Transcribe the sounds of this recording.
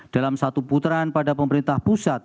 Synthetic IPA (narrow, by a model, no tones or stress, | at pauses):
d̥alamsat̪uput̪ɾanpadapəməɾint̪ahpusat̪̚